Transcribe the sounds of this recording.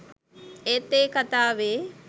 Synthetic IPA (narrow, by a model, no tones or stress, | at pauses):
et̪ːeːkɐt̪aːʋeː